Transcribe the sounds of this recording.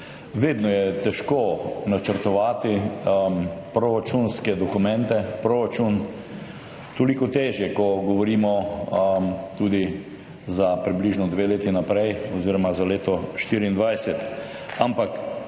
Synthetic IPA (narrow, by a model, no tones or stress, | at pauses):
ʋeːd̪nɔjɛt̪ɛʃkonat͡ʃəɾt̪ɔʋaːt̪i | pɾoɾat͡ʃunskɛd̪ɔkumɛ̃nt̪ɛpɾoɾat͡ʃun | t̪olikɔt̪eːʒjɛkɔɡɔʋɔɾiːmɔ | t̪uːd̪i | zapɾibliʒnɔd̪ʋeːleːt̪inapɾɛjɔziːɾɔmazaleːt̪ɔʃt̪iːɾiind̪ʋajsɛt̪ | ampak